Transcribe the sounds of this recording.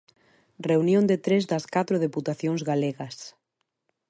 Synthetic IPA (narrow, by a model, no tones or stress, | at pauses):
reunjõnd̪ɪt̪ɾezðɐskat̪ɾoðeput̪aθjoŋzɣaleɣɐs